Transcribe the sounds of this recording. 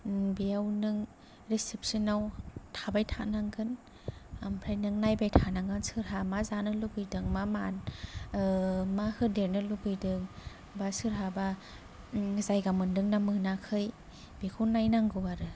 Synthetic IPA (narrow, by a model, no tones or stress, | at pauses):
biawnɯŋ | ɾesip̚sinawtʰabajtʰanaŋɡɯn | ampʰɾajnɯŋnajbajtʰanaŋɡɯnsɯɾɦamazanɯlubɯjdɯŋmaman | mahɯdeɾnɯlubɯjdɯŋ | basɯɾɦaba | zajɡamɯndɯŋnamɯnakʰɯj | b̥ekʰunːajnaŋɡɯwaɾɯ